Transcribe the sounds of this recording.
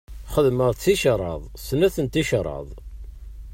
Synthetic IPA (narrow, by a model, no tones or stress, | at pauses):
χəðməʁˤt͡sːiʃəɾˤɑ̰ðˤsnæθənt̪iʃəɾˤɑ̰ðˤ